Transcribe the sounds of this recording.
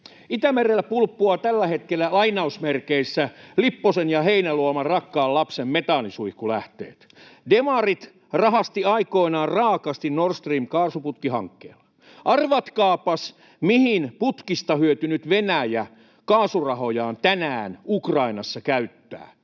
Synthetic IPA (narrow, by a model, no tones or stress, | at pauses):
it̪æmerelːæpulpːuɑt̪ælːæhet̪kelːælɑinɑusmerkeisːælipːosenjɑheinæluɑmɑrɑkːɑːlɑpsemmet̪ɑnisuikːulæht̪ḛːt̪ | demɑrit̪ | rɑhɑst̪iɑikoinɑːrrɑːkɑst̪innorst̪riːmkɑːrsuput̪kiɦɑ̰ŋkːḛːlːɑ̥ | ʔɑrʋɑt̪kɑːpɑs | mihinput̪kist̪ɑhyøt̪ynyt̪ʋenæjæ | kɑːsurɑhojɑːnt̪ænæːnukrɑinɑsːɑkæyt̪ːæ̰ː